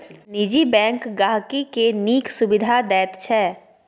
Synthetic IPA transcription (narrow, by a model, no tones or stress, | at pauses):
nid͡ʒibɛ̃ːŋkɡaːɦkikeniːksʊbɪd̪ʱad̪ɛːt̪t͡ʃʰɛː